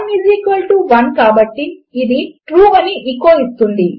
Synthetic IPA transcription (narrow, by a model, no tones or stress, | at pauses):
mjuːziːkʋɐlʈuʋɐnkaːbɐʈːiːd̪iʈɾuːɐniʔikːoːist̪und̪i